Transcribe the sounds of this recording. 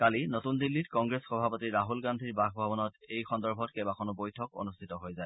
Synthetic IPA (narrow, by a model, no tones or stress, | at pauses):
kalinotundilːitkɔŋɡɹesxɔbʱapotiɹaɦulɡandʱiɹbaxbʱabɔnɔtejxɔndɔɹbʱɔtkɛbakʰɔnubojtʰɔko̰nustʰitɔɦojzaj